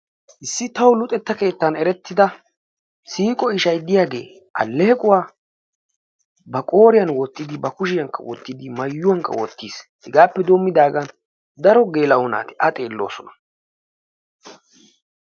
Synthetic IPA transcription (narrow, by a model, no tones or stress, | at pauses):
ʔɪsːɪt̪ɐwlʊt̪ʼɛt̪ːɐke̞ːt̪ːɐnɛɾɛt̪ːɪd̪ɐ | siːkʼɔɪʃɐjd̪ɪjaːɡe̞̰ː | ʔɐ̰lːeɛkʼʊwaː | bɐkʼo̞ːɾɪjɐnwɔt̪ːɪd̪ɪbɐkʊʃɪjɐŋkːɐ̰wɔ̰t̪ːɪd̪ɪmɐjːʊwɐŋkːɐ̰wɔ̰t̪ːiːshɪɡaːpːɛd̪o̞ːmːɪd̪aːɡɐn | d̪ɐɾɔɡe̞ːlɐɔna̰ːt̪ɪ̥ʔɐt̪ʼe̞ːlːo̞ːsɔnɐ̥